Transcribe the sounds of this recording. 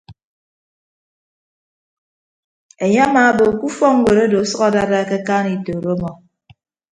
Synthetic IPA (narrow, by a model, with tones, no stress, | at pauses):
e˨ɲe˦a˦maː˨bo˨ku˦fɔ˦ŋ̩˦we˨ɾo˦do˨˦sɔ˦ɣɔ˦da˦ɾa˦ke˦kaː˦ni˨to˨ɾo˦mɔ˨